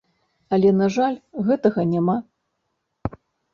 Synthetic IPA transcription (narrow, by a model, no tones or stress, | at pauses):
ɐlʲɛnaʐalʲɣɛt̪ɐɣɐnʲama